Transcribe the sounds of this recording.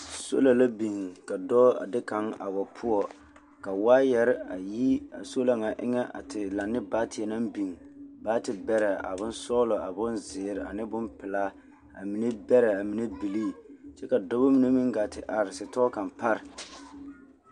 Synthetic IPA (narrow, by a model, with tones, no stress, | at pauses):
so̰˦la˨la˦bi˨ŋka˨dɔː˦a̰˨dɪ˦ka˨˦ŋa̰˨bɔ˨pʰʊ˦ɔ˦ | ka˨waː˦jɛ˦ɾɪ˦a˨ji˦a̰˨so˦la˨ŋa˨ʔɪ̰˦ŋɛ˦ʔa̰˨tɪ˨la˨nːɪ˦baː˦tʰɪ˨ɛ˨na˦bi˨ŋbaː˦tɪ˨bɛ˦ɾɛ˨a̰˨bʊ˦nsɔː˦lɔ˨a̰˨bʊ˦nzɪ˨ɾɪ˨a̰˨nɪ˦bʊ˦mpɪ˨laː˦ | a̰˨mi˦nɛ˦bɛ˦ɾɛ˨a˨mi˨nɛ˦bi˨liː˦t͡ʃɛ˦ka˨dɔ˦ba˦mi˦ne˦mi˦ŋɡaː˨tɪ˨ʔa˨ɾɪ˨sɪ˨tɔː˦ka˨npa˦ɾɪ˨